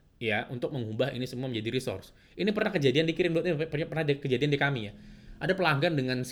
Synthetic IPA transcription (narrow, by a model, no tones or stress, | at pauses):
jaʔunt̪ʊk̚məŋubahḭnisəmuamə̃ɲd͡ʒadiɾisʊ̰rs | ʔinipərnahkəd͡ʒadiandikiɾɪnduat̪̚ɲapərɲapərnadikəd͡ʒadiandikamijaʔadapəlaŋɡandəŋans